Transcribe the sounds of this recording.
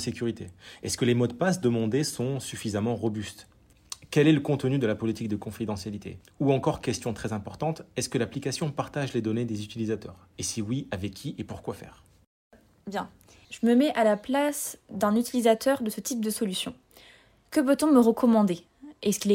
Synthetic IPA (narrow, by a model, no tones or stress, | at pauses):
sekʲyʁit̪eɛskəlemɔd̪̚pasd̪əmɑ̃d̪esɔ̃syfizamɑ̃ʁɔbyst̪ | kʲɛlɛləkɔ̃t̪nyd̪əlapɔlit̪ik̚d̪əkɔ̃fid̪ɑ̃sjalit̪ʰḛ | uɑ̃kɔʁkʲɛst̪jɔ̃t̪χɛzɛ̃pɔʁt̪ɑ̃t̪ɛskəlaplikasjɔ̃paʁt̪aʒled̪ɔned̪ezyt̪ilizat̪œ̰ːʁ | esiwiavɛkʲʰːiʔepuʁkwafɛ̰ːʁ | bjɛ̃ | ʒ̥əməmɛʔalaplasd̪ɛ̃nyt̪ilizat̪œʁd̪əsət̪ip̚d̪əsɔlysjɔ̰̃ | kəpøt̪ɔ̃məʁəkʰɔmɑ̃d̪e | ɛskil